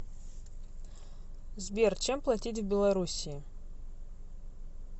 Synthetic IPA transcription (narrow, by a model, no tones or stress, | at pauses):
zbʲert͡ʃʰemplˠatʲit̬ʲvbʲelˠaɾusʲii